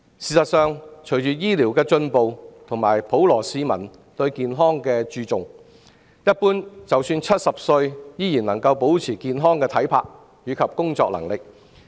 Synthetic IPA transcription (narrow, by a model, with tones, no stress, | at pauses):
siː˨˩sɐ˨t̚sœː˨ŋt͡ʃʰɵ˨˩jt͡ʃyː˨˩jiː˥liː˨˩wkɛː˧t͡sɵ˧npo˨wt̪ʰʊ˨˩ŋma̰ː˨˩jpo˨˥wlɔː˨˩siː˨˧mɐ˨˩n | t̪ɵ˧ɥkiː˨nɦɔː˥ŋkɛː˧t͡ʃyː˧t͡sʊ˨ŋ | jɐ˥t̚puː˥nt͡sɐ˨wsyː˧nt͡sʰɐ˥t̚sɐ˨p̚sɵ˧ɥjiː˥jiː˨˩nlɐ˨˩ŋkɐ˧wpo˨˥wt͡sʰiː˨˩kiː˨˧nɦɔː˥ŋkɛː˧t̪ʰɐ˨˥jpʰaː˧k̚ | jyː˨˧kʰɐ˨p̚kʊ˥ŋt͡sɔː˧k̚lɐ̰˨˩ŋlɪ˨k̚